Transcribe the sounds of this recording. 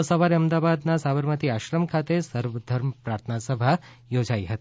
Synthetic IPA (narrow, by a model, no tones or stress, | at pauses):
səʋaɾeəmd̪aʋad̪nasabəɾmət̪iaʃɾəmkʰat̪esəɾʋəd̪ʱəɾmpɾaɾt̪ʰənasəbʱa | jod͡ʒaiɦət̪ii